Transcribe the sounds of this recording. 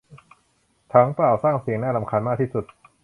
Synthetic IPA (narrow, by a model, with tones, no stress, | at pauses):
t̪ʰa˦˥ŋplaː˨˩wsaː˥˩ŋsi˨˩˦ŋnaː˥˩a˧˦mkʰaː˧nmaː˥˩k̪̚ʰiː˥˩su˨˩t̪̚